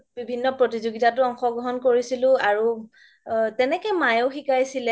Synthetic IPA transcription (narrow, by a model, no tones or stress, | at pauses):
bibʱinːɔpɹotizoɡitatʊɔŋxɔɡɹɔɦɔnkoɹisilʊ̃aɹu | tɛnɛkɛmajowxikajsilɛ